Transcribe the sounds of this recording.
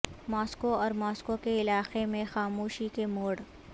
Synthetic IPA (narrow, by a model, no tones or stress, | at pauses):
maːskoɔːɾmaːskokeɪlaːqemẽxaːmuːʃikemoːɽ